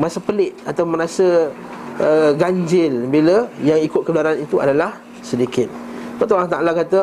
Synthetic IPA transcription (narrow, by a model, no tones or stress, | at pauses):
masəpəlɪʔ̪̚at̪awməɾasə | əɡaɲd͡ʒɪlbiləjaŋikʊt̪̚kəbəlaɾanit̪ua̰dalah | sədikɪt̪̚pət̪̬uwaŋt̪aʔlakat̪ə